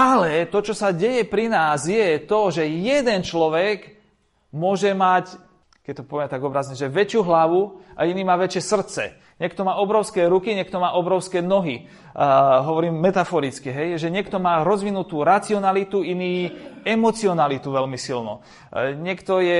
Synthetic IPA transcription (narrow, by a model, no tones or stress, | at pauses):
alɛt̪ɔt͡ʃɔsaɟɛjɛpɾinaːzjɛt̪ɔʒɛjɛd̪ɛnt͡ʃlɔʋɛɡ | mʊɔʒɛmac | kɛt̪ɔpɔʋɛmɛt̪aɡɔbɾazɲɛʒɛʋɛt͡ʃjuːɦlaʋuʔa̰iniːmaːʋɛt͡ʃɪɛsr̩t̪t͡sɛ̰ | ɲɛkt̪ɔmaːɔbɾɔʊskɛːɾukiɲɛk̚t̪ɔmaːʔɔbɾɔʊskɛːnɔɦi | ɦɔʋɔɾiːmːɛt̪afɔɾit͡skiɦɛjʒɛɲɪɛkt̪ɔmaːɾɔzʋinut̪uːɾat͡siɔnalit̪uiniːɛmɔt͡siɔnalit̪uʋɛlmisilnɔ̰ | ɲɛkt̪ɔjɛ